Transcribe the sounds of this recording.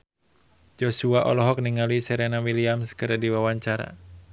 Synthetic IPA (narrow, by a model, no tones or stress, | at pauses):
d͡ʒɔsuaʔɔ̰lɔɦɔk̚niŋalisɛɾɛnawiliamskəɾadiwawaɲt͡ʃaɾa̰